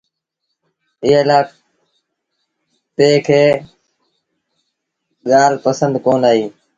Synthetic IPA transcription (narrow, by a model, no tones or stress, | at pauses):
ɪɦeːlaː | peːkʰeː | ɠaːlpəsənd̪koːnaːɦiː